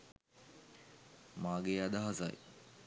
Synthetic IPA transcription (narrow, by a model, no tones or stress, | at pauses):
maːɡead̪aɦaza̰j